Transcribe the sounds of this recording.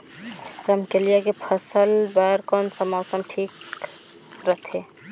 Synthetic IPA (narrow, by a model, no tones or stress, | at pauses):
ɾɐmkelijakepʰəsəlbaɾkɔːnsɐmaːʊsəmʈʰiːk | ɾət̪ʰeː